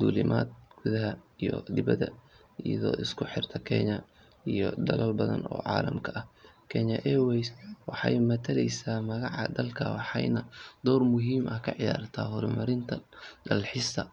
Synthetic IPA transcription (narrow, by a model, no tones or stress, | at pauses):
d̪uːlɪmʔa̰ːd̪̚ɡ̥ʊðɐɦɐijɔd̪ɪβɐðɐ | ijɐðɔ̰ːʔɪskʰʊħɪrt̪ʰɐkʰɛɲɐ | ijɔd̪ɐlɐlbɐðɐ̰nɔ̰ːʕɑːlɐmkʰɐʔɐhkʰɛɲɐʔɛwɛswɑħɑjmɐt̪ʰɐlɛjsaːmɐɣɑʕɑ̰d̪ɐlkʰɐ̰wɑħɑjnɐd̪ɔːrmʊɦiːmʔɐkʰɐʕɪjaːrt̪ʰaːɦʊɾmɐɾɪnt̪ʰɐɖɐlħɪsʰɐ